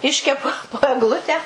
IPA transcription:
ˈɪʃʲkʲɛpʊ poː ɛɡˈlˠʊtʲæː

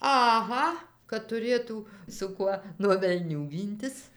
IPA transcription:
ɐˈɣɐ kɐt tʊˈrʲeːtuː sʊ ˈkuɔ nuɔ ʋʲɛlʲˈnʲuː ˈɡʲiːnʲtʲɪs

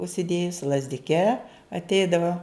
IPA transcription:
ʊʃʲsʲɪˈdʲeːjʊsʲɪ lˠɐzʲdʲɪˈkʲɛ ɐtʲˈɛɪdɐʋɐ

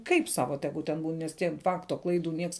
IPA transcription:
ˈkɐɪp ˈsɑːʋɐ ˈtʲæːɡʊ tʲɛn ˈbuːn nʲɛs tʲiɛ ˈfɑːktoː ˈklˠɐɪˌduː ˈnʲiɛks

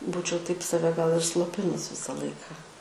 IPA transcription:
ˈbuːt͡ʃʲɛʊ tɐɪp sɐˈʋʲɛ ɡɐlˠ ɪr slˠoːˈpʲɪnʊs ˈʋʲɪsɐ ˈlˠɐɪkɑː

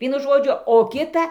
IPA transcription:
ˈʋʲiɛnʊ ˈʒoːd͡ʒʲʊ oː ˈkʲɪtɐ

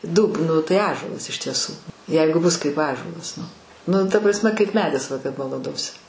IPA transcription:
ˈduːp ˈnʊ tɐɪ ˈɑːʒuɔlˠɐs ɪʃ tʲiɛˈsuː ˈjɛɪɡʊ bʊs kɐɪp ˈɑːʒuɔlˠɐs nʊ ˈnʊ tɐ ˈprɑːsʲˈmʲɛ kɐɪp ˈmʲæːdʲɪs bɐlˠɐˈdoːsʲɪ

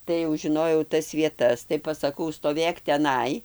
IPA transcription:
tɐɪ jɛʊ ʒʲɪˈnoːjɛʊ ˈtɐs ʋʲiɛˈtɐs tɐɪ pɐsɐˈkɐʊ stoːˈʋʲeːk tʲɛˈnɐɪ

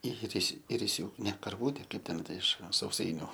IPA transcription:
ɪˈrʲɪsʲ ɪrʲɪˈsʲuːkɐɪ ˈnʲɛ kɐrˈʋuːtʲɛ ˈkɐɪp tʲɛn ˈtɐ ɪʃ sɐʊˈsɐɪnʲʊ

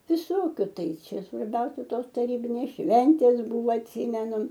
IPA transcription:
ʋʲɪˈsoːkʲʊ ˈtɐɪ ˈt͡ʃʲɛ sʋɐrʲˈbʲɛʊsʲɛ ˈtoːs tɐˈrʲiːbʲɪnʲeːs ˈʃʲʋʲɛnʲtʲeːs ˈbʊʋoː ɐtʲˈsʲiːmʲɛnʊ

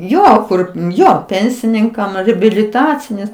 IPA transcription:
ˈjoː ˈkʊr ˈjoː ˈpʲɛnʲsʲɪnʲɪŋkɐm rʲɪbʲɪlʲɪˈtɑːt͡sʲɪnʲeːs

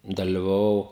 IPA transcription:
dɐlʲɪʋɐˈʋɐʊ

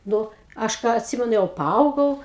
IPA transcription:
ˈnʊ ˈɐʃ ˈkɑː ɐtʲˈsʲɪmʲɛnʊ jɛʊ pɐˈɐʊɡɐʊ

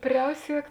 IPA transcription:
ˈpʲrʲɛʊsʲiɛk

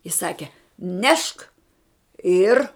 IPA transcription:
ɪ ˈsɑːkʲɛ ˈnʲɛʃk ɪr

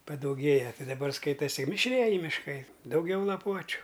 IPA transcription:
pɐdɐʊˈɡʲeːjɛ ˈtʲɪ dɐˈbɐr ˈskɐɪtɐsʲɪ mʲɪʃʲˈrʲiɛjɪ mʲɪʃˈkɐɪ dɐʊˈɡʲɛʊ lˠɐˈpuɔt͡ʃʲʊ

